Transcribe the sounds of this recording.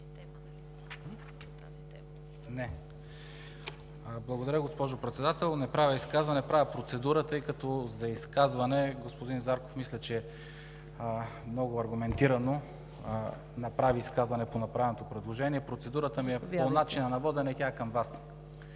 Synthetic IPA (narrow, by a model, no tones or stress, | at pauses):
nɛ | blˠɐɡod̪ɐɾʲjəɡospɔʒopɾɛt̪sɛd̪at̪ɛlˠnɛpɾavʲəiskazvɐnɛpɾavʲɐpɾot̪sɛd̪uɾət̪ɤjkɐt̪ɔzɐiskazvɐnɛɡospod̪inzaɾko̥fmislʲɛt͡ʃɛ | mnɔɡʊɐɾɡʊmɛnt̪iɾɐno | nɐpɾaviːskazvɐnɛponɐpɾavɛnot̪opɾɛd̪lˠoʒɛniɛpɾot̪sɛd̪uɾət̪əmiɛponat͡ʃinɐnɐvɔd̪ɛnɛk̪ʲakɐmvas